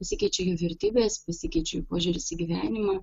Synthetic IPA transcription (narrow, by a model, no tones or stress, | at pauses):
pɐsʲɪkʲɛɪt͡ʃʲɛjoʋʲɛɾʲt̪ʲiːbʲeːspɐsʲɪkʲɛɪt͡ʃʲɛjupoːʒʲuːɾʲɪsɪɡʲiʋʲæːnʲɪmɐ